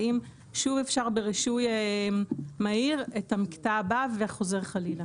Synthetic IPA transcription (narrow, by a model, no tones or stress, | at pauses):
im | ʃuvefʃaʁbeʁiʃuje | maiʁetamiktaːbaveχo̞ze̞ʁχalila